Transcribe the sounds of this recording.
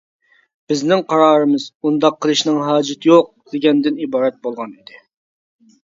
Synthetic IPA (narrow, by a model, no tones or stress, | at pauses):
b̥ɪznɪŋqʰɑɾɑːɾɨmɨz̥und̪ɑqʰːəlˠɨʃnɨŋɦɑːd͡ʒɪt̪ʰjoq̚d̪eɡʲɛnd̪ɪnibɑːɾɛt̪̚bolˠʁɑnid̪ɪ